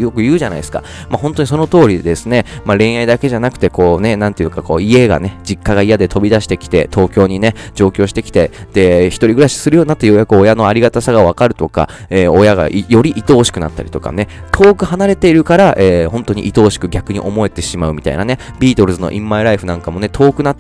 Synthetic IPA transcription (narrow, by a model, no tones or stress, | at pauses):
jo̞kɯ̟jɯ̟ːʑana̰iesɨ̥ka̰ | mahõ̞nt̪o̞ɲ̟is̬o̞no̞t̪o̞ːɾʲid̪esɨne̞maɾẽ̞ɰ̃aid̪ake̞ʑanakɯ̟̥t̪e̞ko̞ːne̞nãnt̪ejɯ̟kako̞̰ːie̞ɡa̰ne̞d͡ʑikːaɡaijad̪e̞t̪o̞bʲid̪aɕi̥t̪e̞kʲi̥t̪e̞̰t̪ʰo̞ːkʲo̞ːɲ̟ine̞d͡ʑo̞ːkʲo̞ːɕi̥t̪e̞kʲi̥t̪e̞d̪̥e̞çi̥t̪o̞ɾʲiɡɯ̟ɾaɕi̥sɨɾɯ̟jo̞ːɲinat̪ːajo̞jakɯ̟o̞jano̞aɾʲiɡat̪asaɡaβ̞akaɾɯ̟t̪o̞ka̰eːojaɡa̰ʔjo̞ɾʲiʔit̪o̞ːɕi̥kɯ̟na̰t̪ːa̰ɾʲi̥t̪o̞ka̰ne | t̪ʰo̞ːkɯ̟hanaɾe̞t̪e̞iɾɯ̟kaɾaʔeːhõ̞nt̪o̞ɲ̟ḭʔit̪o̞ːɕi̥kɯ̟ɡʲakɯ̟ɲ̟ḭʔo̞mo̞e̞t̪e̞ɕimaɯ̟mit̪a̰ḭna̰ne̞bʲiːt̪o̞ɾɯ̟zɨno̞̰ʔĩmːaiɾaiɸɯ̟nãŋkamo̞ne̞t̪ʰo̞ːkɯ̟na